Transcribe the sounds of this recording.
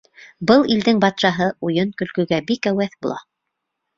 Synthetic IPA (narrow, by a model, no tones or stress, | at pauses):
bɤlˠild̪ɘŋbɑt̪ʃɑɦɤujɤnkɵ̆lkɵ̆ɡæbikæwæθbulˠɑ̰